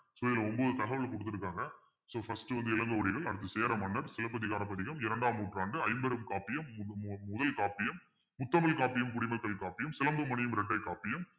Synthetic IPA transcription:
soːɪlɐɔmboːðɯt̪ɐɣɐʋɐɭkɔɽɯt̪ːɪɾɯk̬ːaːŋɡɐ | soːfɐsʈɯʋɐnd̪ɯɪlɐŋɡɐʋɐɽɪɣɐɭɐɽɯt̪ːɯseːɾɐmɐnːɐɾsɪlɐp̬ːɐðɪɣaːɾɐpːɐðɪɣɐmɪɾɐɳɖaːmːuːʈraːɳɖɯɐɪmbɐɾɯmkaːpːɪjɐmːʊðɐlkaːpɪjɐmː | ʊt̪ːɐmɐlkaːpɪjɐmkʊɽɪmɐkːɐɭkaːpɪjɐmsɪlɐmbɯmɐnɪjɐmɾɛʈːɐɪkːaːpɪjɐm

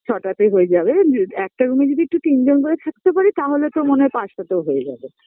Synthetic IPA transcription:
t͡ɕʰɔʈat̪ejɦoed͡ʑabeɛk̚ʈaɾumed͡ʑod̪ʱiek̚ʈut̪ind͡ʑonkoɾet̪ʰak̚t̪epaɾit̪aɦolet̪oɾmonepaʃat̪eoɦoed͡ʑa̰be

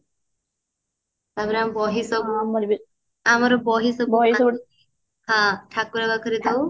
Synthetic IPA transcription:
t̪abɾambɔɦisɔ | amaɾɔbɔɦisɔb | ɦãtʰakuɾabakəɾit̪ɔ

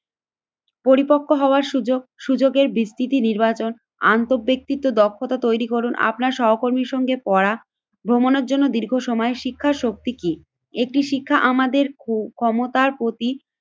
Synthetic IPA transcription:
poɾipokʰːoɦɔoaɾʃud͡ʑoɡeɾbist̪ʰit̪iniɾbat͡ɕon | a̰nt̪oɾbek̚t̪it̪ːod̪ɔkʰːot̪at̪ojɾikoɾunʔa̰pnaɾʃɔɦokoɾmiɾʃɔŋɡepɔɾa | bʱɾomoneɾd͡ʑonːod̪iɾɡʱoʃɔmɔeʃikʰːaɾʃok̚t̪iki | ek̚ʈiʃikʰːaʔamad̪eɾkʰɔmot̪aɾpɾot̪i

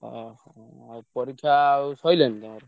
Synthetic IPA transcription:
pʌɾikʰasʌjlent̪ʌɾ

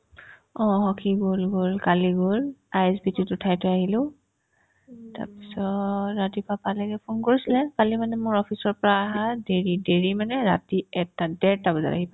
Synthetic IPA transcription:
ɔ̃ɦɔkʰiɡolɡolkaliɡolajɛsbititʊtʰajtʊaɦilʊ̃ | ta̰ɹpi̥sɔɹatipapalɛɡɛpʰunkoɹisilɛpalimanɛmʊɹɔpʰisɔɹpɔɹaːɦadeɹideɹimanɛɹatiɛtadɛɹtabɔza̰ta̰ɦip

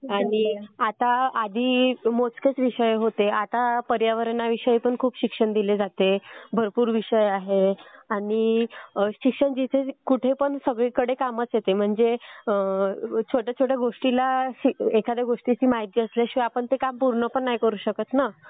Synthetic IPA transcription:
aɽ̃iat̪aad̪ʱiːmot͡sket͡sʋiɕəjɦot̪eat̪apəɾjaʋəɾenaʋiʂəipəɳkʰuːpɕikʂəɳd̪iled͡zat̪ebʱəɾpuːɾʋiʂəjaɦeaɽ̃i | ɕikʂəɳd͡ʑit̪ʰekuʈʰepəɳsəɡɭikəɽekamət͡sjet̪em̤əɳd͡zeət͡ɕʰoʈjat͡ɕʰoʈjaɡoʂʈilaɕiekʰad̪jaɡoʂʈit͡ɕiːmaɦit̪iəsleɕʋapəɳt̪ekampuɾɳəpəɳːajkəɾuːɕəkət̪na

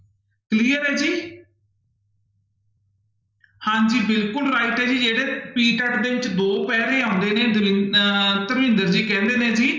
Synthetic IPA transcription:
kliːəɾɦɛːd͡ʒiː | hãːɲd͡ʒiːbɪlkʊlɾaːɪʈɦɛːd͡ʒiːd͡ʒeːɽeːpiːʈəʈd̪eːʋɪt͡ʃd̪oːpɛːɾẽːãːnd̪eːnẽːd̪ɪt̪əɾmɪ̃nd̪əɾd͡ʒiːkɛ̃ːnd̪eːnẽːd͡ʒiː

